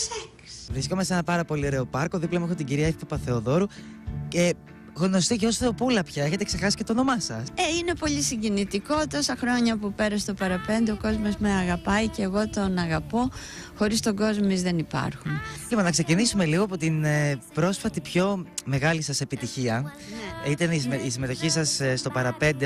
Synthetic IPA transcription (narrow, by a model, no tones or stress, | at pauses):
seksvɾiskomɐsenɐpɐɾɐpo̞lioɾe̞o̞pɐɾko̞ðiplɐmexot̪iɟiɾiɐefp̪ɐpɐθe̞oðo̞ɾu | ce̞ | ɣno̞st̪iʝeosθeopulɐpçɐe̞çe̞t̪e̞kseɾxɐsi̥ce̞t̪ono̞mɐsɐseine̞po̞ʎisiɲɟinit̪iko̞t̪o̞sɐxɾo̞ɲɐpupe̞ɾɐst̪o̞pɐɾɐpe̞nd̪eoko̞zmo̞zmeɐɣɐpɐiceːɣo̞t̪o̞nɐɣɐpo̞ | xo̞ɾist̪o̞ɡo̞zmomizðe̞nipɐ̰ɾxunimɐnɐkse̞cinisume̞liɣoɐpo̞t̪inpɾo̞sfɐt̪ipço̞me̞ɣɐlisɐse̞pit̪içiɐ | it̪ɐnisisime̞t̪o̞çisɐsst̪o̞pɐɾɐpe̞nd̪e